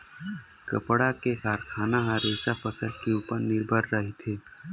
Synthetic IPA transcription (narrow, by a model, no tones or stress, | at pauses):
kə̰pɽakekaːɾkʰaːnaɦaɾeːsapʰəsəlkeuːpəɾnɪɾbʱəɾːəɦit̪ʰeː